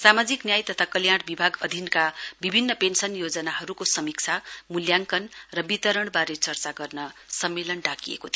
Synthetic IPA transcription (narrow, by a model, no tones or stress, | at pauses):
samad͡ziknjajt̪ʌt̪ʰakʌljaɽbibʱaɡʌd̪ʱinkabibʱinːʌpensʌnjod͡zʌnaɦʌɾukosʌmik̚t͡sʰamuljaŋkʌnrʌbit̪ʌɾʌɽ̃baɾet͡sʌrt͡saɡʌrnʌsʌmːelʌnɖakijḛkot̪ʰ